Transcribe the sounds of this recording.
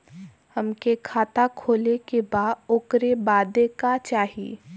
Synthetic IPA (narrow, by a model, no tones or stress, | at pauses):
hɐmkekʰaːt̪akʰoːlekebaːokɾebaːd̪ekat͡ʃaːɦiḛː